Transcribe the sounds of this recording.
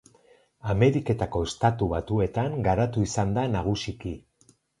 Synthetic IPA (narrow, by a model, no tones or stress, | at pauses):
ame̞ɾike̞t̪ako̞est̪at̪uβat̪ue̞t̪aŋɡaɾat̪uisand̪anaɣ̞usiki